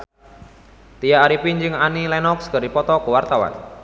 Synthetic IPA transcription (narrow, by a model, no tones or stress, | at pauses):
t̪ijaːɾipiɲd͡ʒɨŋanilɛnɔkskəɾipɔt̪ɔkəwart̪awa̰n